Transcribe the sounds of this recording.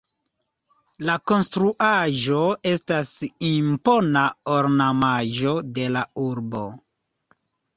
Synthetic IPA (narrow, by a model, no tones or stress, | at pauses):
lako̞nstɾuʔaʒo̞e̞stasimpo̞naoɾnamaʒo̞de̞lauɾbo̞̰